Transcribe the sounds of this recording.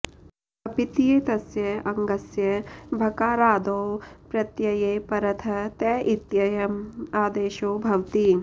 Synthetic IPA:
ɐpit̪ijeːt̪ɐsjɐɐŋɡɐsjɐbʱɐkaːɾaːd̪oːpɾɐt̪jɐjeːpɐɾɐt̪ʰɐt̪ɛːʔit̪jɐjɐmaːd̪eːʃoːbʱɐwt̪i

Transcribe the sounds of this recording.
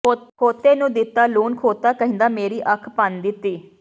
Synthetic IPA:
kʰoːt̪ːeːnũːd̪ɪt̪ːaːluːnkʰoːt̪aːkəɦɪ̃nd̪aːmeːɾiːʔəkʰpənd̪ɪt̪ːiː

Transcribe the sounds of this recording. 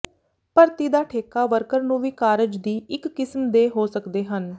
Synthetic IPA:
pəɾt̪iːd̪aːʈʰeːkaːʋəɾkəɾnũːʋiːkaːɾɪd͡ʒd̪iːʔɪkːɪsmd̪eːɦoːsəkd̪eːɦən

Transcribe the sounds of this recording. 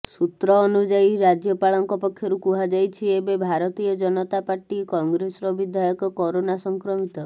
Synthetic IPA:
sut̪ɾɔːnud͡ʒaiɾad͡ʒjɔpaɭɔŋkɔpɔkʰːjɔɾukuɦad͡ʒajt͡ʃʰiebebʱaɾɔt̪ijɔd͡ʒɔnɔt̪apaɾʈikɔŋɡɾesɔɾɔbid̪ʱajɔkɔkɔɾonasɔŋkɾɔmit̪ɔ

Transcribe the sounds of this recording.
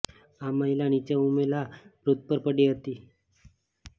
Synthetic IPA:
aməɦilañit͡ɕaumelapɾut̪̚pəɾpəɽiɦət̪iː

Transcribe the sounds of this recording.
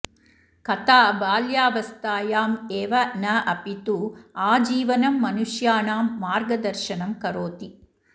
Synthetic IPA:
kɐt̪aːbaːljaːʋɐst̪aːjaːmeːʋɐnɐʔɐpit̪uaːd͡ʒiːʋɐnɐmːɐnuʃjaːnaːmːaːɾɡɐd̪ɐɾʃɐnɐmkɐɾoːt̪i

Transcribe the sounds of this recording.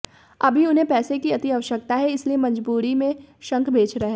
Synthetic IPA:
ɐbʱiʊnɦẽpɛːsekiɐt̪iɐʋəʃək̚t̪aɦɛɪsliemɐ̃ɲd͡ʒbuːɾimẽʃɐ̃ŋkʰbʱeːt͡ʃɾɐɦeː

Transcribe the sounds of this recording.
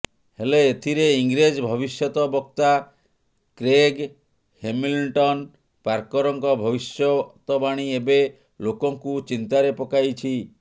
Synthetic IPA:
heleːt̪ʰiɾeiŋɡɾed͡ʒbʱɔbisjɔt̪ɔbɔk̚t̪a | kɾeɡ | hemilʈɔn | paɾkɔɾɔŋkɔbʱɔbisjɔt̪ɔbaɽ̃iebe | lokɔŋkut͡ʃint̪aɾepɔkajt͡ʃʰi

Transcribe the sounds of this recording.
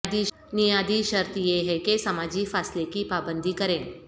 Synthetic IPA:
d̪i | nijad̪iʃəɾt̪jeɦɛkesɐmad͡ʑifaslekipabənd̪ʱikəɾẽn

